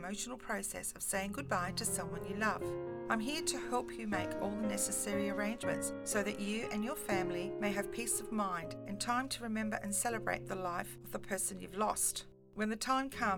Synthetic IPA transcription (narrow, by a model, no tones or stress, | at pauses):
moʊʃn̩l̩ˠpʰɹ̥oʊsɛ̰sʌv̥seɪɪ̃ŋɡʊd̚baɪɾɨsʌ̃mwʌ̃njɨlʌv̥ãɪ̃mɦiɹɾɨhɛlˠpʰjɨmeɪkʰɔ̰lˠðənɛsɨsɛɹiə˞ẽɪ̃nd͡ʒmɨ̰̃ntsːoʊðɨt͡ʃɨɨ̃njə˞fæ̃mlimeɪɨv̥pʰisʌvmãɪ̃ndɨ̃ntʰãɪ̃mtʰɨɹɨmɛ̃mbə˞ʔɨ̃nsɛlˠəbɹḛɪt̪̚ðəlaɪfʌvðəpʰɜ˞sɨ̃njʉ̰vlɔst | wɨ̃nðɨtʰãɪ̃mkʰʌ̃m